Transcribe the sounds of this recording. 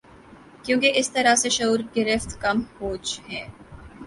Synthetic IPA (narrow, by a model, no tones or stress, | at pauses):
kjõːkeʔɪst̪ɐɾaseʃɐuːɾɡɪɾɪft̪kɐmhoːd͡ʒhɛː